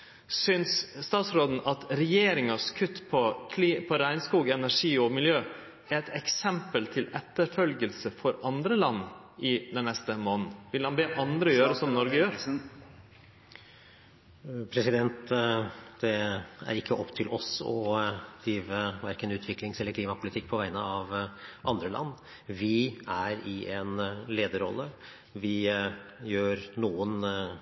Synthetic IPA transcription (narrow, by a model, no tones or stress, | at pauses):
sʏnsst̪ɑːt̪sɾoːd̪n̩ʔɑt̪ɾɛjeːɾɪŋɑskʰʉt̪ːpʰɔkʰliːpʰɔɾæɪnskuːɡɛnæʂiːɔmɪljøː | æɛt̪ɛksɛmpəlt̪ʰɪlɛt̪ːəɾfœlɡəlsəfɔɾɑnd̪ɾəlɑnː | ɪd̪ɛnːɛst̪əmoːnn̩ʋɪlɑnbeːʔɑnd̪ɾəjøːɾəsɔmnɔɾɡəjøːɾ | pʰɾɛsɪd̪ɛnt̪ | d̪̥ɛæ̰ɾɪkʰːəʔɔpːt̪ʰɪlʔɔsɔ̰d̪̥ɾiːʋəʋæɾkənʉːt̪ʰʋɪkʰlɪŋsɛlːəɾkʰliːmɑpʰʊlɪt̪ʰɪk̚ːpʰɔʋæɪnəɑʋʔɑnd̪ɾəlɑ̰nː | ʋɪæɾɪʔɛnleːd̪əɾɔ̰lːə | ʋɪ | jøːɾnuːən